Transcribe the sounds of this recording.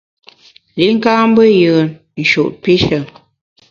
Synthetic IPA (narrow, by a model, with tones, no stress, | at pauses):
li˨˦ŋ̩˦ka˦m˦bə˦jə˨n | n̩˨ʃṵ˨ʔpi˦ʃə˨